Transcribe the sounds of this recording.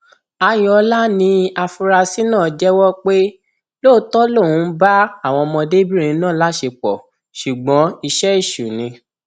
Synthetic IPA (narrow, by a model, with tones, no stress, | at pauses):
a˧j̃ɔ˧la˦nĩ˧a˧fu˧ɾa˧si˦nãː˦˨d͡ʒɛ˦wɔ˦k͡pe˦ | loː˦˨˦tɔ˦lo˦˨ũ˨˧˦ba˦a˦˨w̃ɔ̃˧mɔ̃˧de˦bi˦˨ĩ˧nãː˦˨la˦ʃe˧k͡pɔ˨ | ʃu˨ɡ͡bɔ̃˨˦i˧ʃɛ˦i˦˨ʃu˨nĩ˧